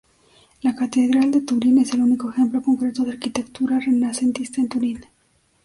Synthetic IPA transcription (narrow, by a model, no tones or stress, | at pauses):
lakat̪e̞ðɾald̪e̞t̪uɾinese̞luniko̞exe̞mplo̞ko̞ŋkɾe̞t̪oðeaɾkit̪e̞kt̪uɾare̞nase̞nt̪ist̪aent̪uɾin